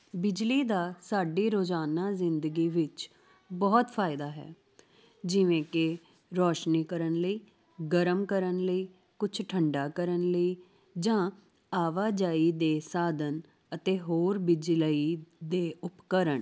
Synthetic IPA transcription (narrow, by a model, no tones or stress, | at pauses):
bɪd͡ʒliːd̪aːsaːɖiːɾoːd͡ʒaːnaːzɪnd̪əɡiːʋɪt͡ʃ | bɔːt̪pʰaːɪd̪aːɦɛ̰ː | d͡ʒɪʋẽːkɪ | ɾɔːʃniːkəɾənləiː | ɡəɾəmkəɾənləiː | kʊt͡ʃʰʈʰəɳɖaːkəɾənləiː | d͡ʒãː | aːʋaːd͡ʒaːiːd̪eːsaːd̪ən | ət̪eːɦoːɾbɪd͡ʒləiːd̪eːʊpkəɾəɳ